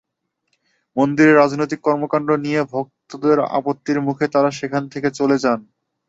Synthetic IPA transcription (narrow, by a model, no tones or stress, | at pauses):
mond̪iɾeɾad͡ʑnojt̪̬ikːɔɾmokaɳɖɾonijebʱok̚t̪od̪eɾa̰pot̪ːiɾmukʰet̪aɾaʃekʰant̪ʰeket͡ɕoled͡ʑan